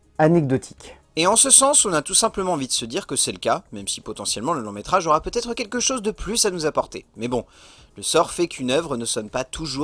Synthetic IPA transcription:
anɛɡd̪ɔt̪ʰi̥kʲ | eɑ̃səsɑ̃sɔ̃nat̪usɛ̃pləmɑ̃ːvid̪əsəd̪iʁkəsɛləkamɛmsi̥pɔt̪ɑ̃sjɛlmɑ̃ləlɑ̃mɛt̪χaʒɔʁapøt̪ɛt̪χəkʲɛlkəʃozd̪əplysanuzapɔʁt̪emɛbɔ̃ləsɔʁfɛkʰynœvʁənəsɔnpat̪ʰuʒu

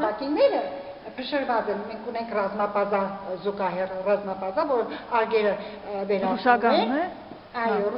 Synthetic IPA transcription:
nɑkinnɛɾə | pʰəʃəɾvɑt͡sɛnmɛŋkʰunɛŋkʰrɑzmɑpɑd͡zɑzuɡɑɦɛrrɑzmɑpɑzɑvɔɾəɑɾɡɛɾə | bɛɾɑɾuʃɑɡɑnumɛ | ɑjɔru

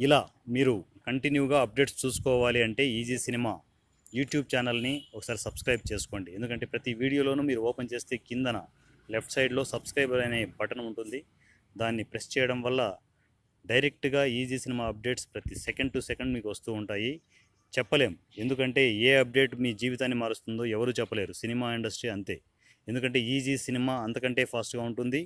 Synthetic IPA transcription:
ilaːmiːɾukɐɳʈinjuːɡaːɐp̚ɖe̞ːʈst͡ʃuːsu̥kɔːʋaːliɐɳʈe̞ːiːd͡ʒiːsinimaː | juːʈjuːb̚t͡ʃaːnɐlniɔkɐ̥saːɾisɐbskɾɐjb̚t͡ʃe̞ːsu̥ko̞ːɳɖie̞nd̪ukɐɳʈ̬e̞ːpɾɐt̪iʋiːɽijo̞ːlo̞ːnumiːɾuɔːpɐnt͡ʃe̞ːst̪e̞ːkind̪ɐnɐ | lep̚ʰʈsɐjʈlo̞ːsɐbskɾɐjbɐɾɐjne̞ːbɐʈɐnɐuɳʈund̪i | d̪aːnːipɾest͡ʃɛːjɐɽɐmʋɐlːɐ | ɖɐjɾe̞k̚ʈɡaːiːd͡ʒiːsinimaːɐp̚ɖe̞ːʈspɾɐt̪isɛkɐɳɖ̚ʈusekɐɳɖmiːkuʋɐst̪uːuɳʈaːji | t͡ʃɛpːɐle̞ːmue̞nd̪ukɐɳʈe̞ːeːɐp̚ɖe̞ːʈmiːd͡ʒiːʋit̪aːnːimaːɾust̪und̪o̞ːɛʋɐɾuːt͡ʃɛpːɐle̞ːɾusinimaːiɳɖɐsʈɾiɐnt̪e̞ː | end̪ukɐɳʈe̞ːiːd͡ʒiːsinimaːɐnt̪ɐkɐɳʈe̞ːpʰaːsʈɡaːuɳʈund̪i

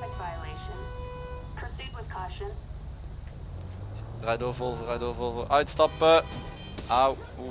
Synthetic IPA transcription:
ɨkv̥aɪəleɪʃə̃n | pʰəsʉd̚wəð̥kʰɔʃə̃ns | rɛdoːvolˠvərɛdoːvovəɾʔœɥtstɑpə | ʔaw

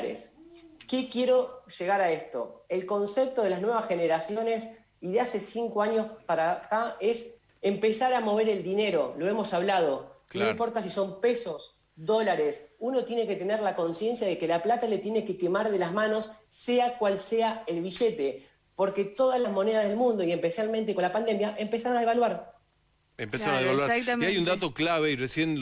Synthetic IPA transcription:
ɾḛske̞kje̞ɾo̞ʒ̥eɣaɾae̞st̪o̞̰elko̞nsep̚t̪o̞ðelaznwe̞βasxe̞neɾasjo̞ne̞s | iðease̞siŋkoaɲo̞spaɾakaes | empesaɾamo̞β̞e̞ɾe̞ld̪ine̞ɾo̞lo̞emo̞saβlað̞o̞noĩmpo̞ɾt̪as̬iso̞mpeso̞s | ðo̞laɾesuno̞t̪je̞ne̞ket̪e̞neɾlako̞nsje̞nsjað̞ekelaplat̪ale̞t̪jene̞ke̞kemaɾðelazmano̞sːeakwalseaelβiʒet̪e̞ | po̞ɾke̞t̪o̞ðalazmo̞ne̞ð̞að̞e̞lmũnd̪o̞iempesjalmẽnt̪e̞ko̞nlapand̪e̞mjaʔe̞mpesaɾonaðeβalwaɾ | empesaɾnaðeβalaɾajund̪at̪oklaβeiresjen

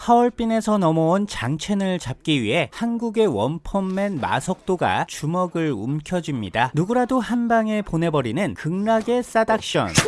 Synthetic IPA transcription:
haʌɭp͈ine̞sʰʌnʌmʌont͡ɕaŋt͡ɕʰe̞nɯɭt͡ɕap̚k͈iɥiɦe̞hanɡuɡe̞wʌnpʰʌmːenma̰sʰʌk̚t͈oɡa̰t͡ɕumʌɡɯɭṵmkʰjʌd͡ʑimɲidanuɡuɾadohanbaŋe̞ponɦe̞bʌɾinɯnkɯŋnaɡe̞s͈adak̚ɕ͈ʌ̰n

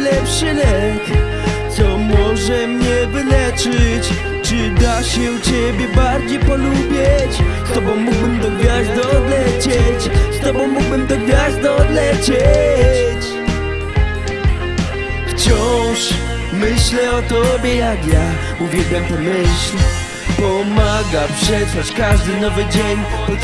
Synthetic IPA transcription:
lɛpʂɨlɛk | t̪sɔmɔʐɛmɲɛvɘlɛt͡ʂɘt͡ɕ | t͡ʂɨd̪aɕɛut͡ɕebʲjɛbaɾd͡ʑejpɔlubʲjɛt͡ɕst̪ɔbɔ̃wːuɡbɛmd̪ɔɡvʲjazd̪ɔd̪lɛt͡ɕet͡ɕst̪ɔbɔ̃w̃mːuɡbɛmd̪ɔɡvʲjazd̪ɔɔd̪lɛt͡ɕe | t͡ɕ | ft͡ɕɔwʃ | mɨɕlɛɔt̪ɔbjɛad̪ja | uvjɛd̪ɛ̃nt̪ɐmeɕlɛ | pɔmaɡapʂɛfɐʃkaʒd̪ɨnɔvɨd͡ʑeɲupɔ

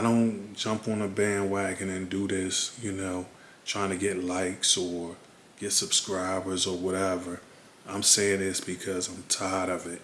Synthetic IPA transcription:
aɪɾõʊ̃nd̥ʒ̥ʌ̃mpn̩əbæ̃nwæɡɨ̃nɨ̃ndɨðɪsjɨnoʊ | tʰɹ̥aɪɪ̃ŋtʰɨɡɛtˡlaɪksə˞ | ɡ̥ɛtsɨb̥skɹaɪbə˞zə˞wʌɾɛvə˞ | ãɪ̃mseɪɪ̃ŋðɪsb̥ɨkʰʌzãɪ̃mtʰaɪəɾʌvɪt̚

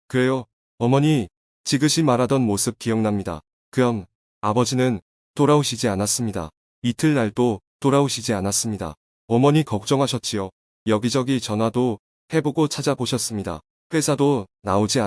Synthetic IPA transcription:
kɯɾe̞jo | ʌmʌɲi | t͡ɕiɡɯɕʰimaɾɦadʌnmosʰɯp̚k͈ijʌŋnamɲida̰ | kɯɾʌm | abʌd͡ʑinɯn | toɾaoɕʰid͡ʑianas͈ɯmɲida̰ | itʰɯɭnaɭdot͈oɾaoɕʰid͡ʑianas͈ɯmɲida̰ | ʌmʌɲikʌk̚t͡ɕ͈ʌŋɦaɕʰʌt̚t͡ɕ͈ijo | jʌɡid͡ʑʌɡit͡ɕʌnɦwado | he̞boɡot͡ɕʰad͡ʑaboɕʰʌs͈ɯmɲida̰ | ɸe̞sʰadonaod͡ʑia

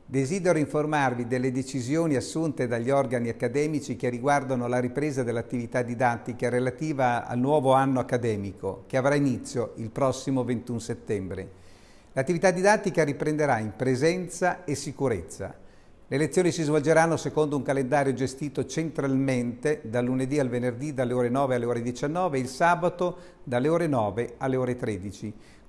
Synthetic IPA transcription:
d̪ezid̪eɾoiɱformarvid̪elːed̪et͡ʃizjoːniasːunt̪ed̪aʎːiɔrɡaniakːad̪ɛːmit͡ʃikeriɡward̪anolaɾipɾeːzad̪elːat̪ːivit̪ad̪ːid̪at̪ːikaɾelat̪iːvaa̰lnwɔːvoanːoakːad̪ɛːmiko̰keavɾainit̪sːjoilpɾɔsːimovent̪unset̪ːɛmbɾḛ | lat̪ːivit̪ad̪ːid̪at̪ːikaɾipɾend̪eɾaimpɾezɛnt̪saesːikuɾet̪sːa̰ | leːlet̪sːjoːnisizvold͡ʒeɾanːosekond̪ouŋkalend̪aːɾjod͡ʒest̪iːt̪ot͡ʃent̪ɾalment̪ed̪alːuned̪ialvenerd̪id̪alːeoːɾenɔːvealeoːɾed̪it͡ʃanːɔːveilsaːbat̪o | d̪alːeoːɾenɔːvealːeoːɾet̪ɾeːd̪it͡ʃi

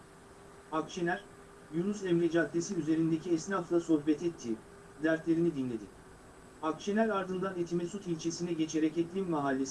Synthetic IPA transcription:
akt͡ʃʰe̞næɾ̥ | junusɛmɾed͡ʒak̪lʲesiyze̞ɾind̪e̞cʰiɛsnaflˠaso̞hbɛt̪ʰɛt̪ʰːiː | d̪æɾt̪lʲe̞ɾinid̪inlʲe̞d̪i | akt͡ʃe̞næɾaɾd̪ɯnd̪anet̪ʰimɛsut̪ilʲt͡ʃʰe̞sinɛɟe̞t͡ʃʰe̞ɾɛcɛt̪lʲimmaɦalʲːes

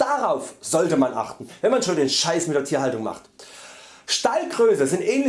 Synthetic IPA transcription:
d̥aʁaʊfz̥ɔltəmanʔa̰χtn̩vɛnmanʃoːndeːnʃaɪsmɪt̚deːɐtʰiːɐɦaltʊŋma̰χt | ʃtaɪlɡʁøːsəzɪntʔɛːnlɪ

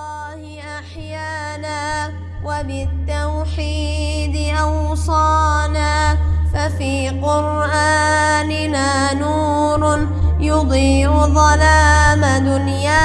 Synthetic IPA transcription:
ɑːhɪʔaħjaːnaː | wabɪt̪ːawħiːd̪ɪʔɑwsˤɑːnaːfafiːqʊɾ | ʔaːnɪnaː | nuː | ɾ | jʊd̪ˤiːʕʊðˤɑlaːmad̪ʊnjaː

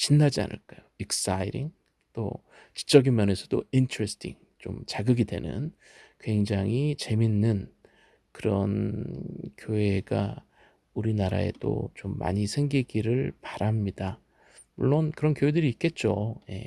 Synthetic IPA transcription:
t͡ɕinːad͡ʑia̰nɯ̰ɭk͈ajoiks͈aiɾiŋ | t͈o̰ | ki̥t͡ɕ͈ʌɡinmjʌne̞sʰʌdointʰɯɾesʰtʰḭŋ | t͡ɕomt͡ɕaɡɯɡidwe̞̰nɯ̰n | kwe̞ŋd͡ʑaŋit͡ɕe̞minːɯn | kɯɾʌ̰n | kjowe̞ɡa̰ | uɾinaɾa̰e̞̰t͈o̰t͡ɕomːa̰ɲisʰe̞ŋɡiɡiɾɯɭpaɾamɲida | muɭːonkɯɾʌnkjowe̞dɯɾiːk͈e̞t̚t͡ɕ͈oje̞̰

